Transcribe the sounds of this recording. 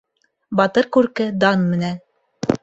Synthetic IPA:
bɑt̪ɤɾkʉɾkɘd̪ɑnmɘ̆næn

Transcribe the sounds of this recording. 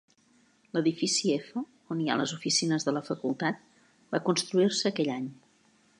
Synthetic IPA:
ləðifisiɛfə | onia̰lə̰zufisinəzðələfəkulˠt̪at̪̚ | bakunst̪ɾuirsəːkɛʎaɲ

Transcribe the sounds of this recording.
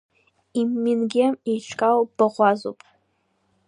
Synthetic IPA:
imːinɡʲɪmiʈ͡ʂʰkʼalwb̥aʁʷazo̰pʼ

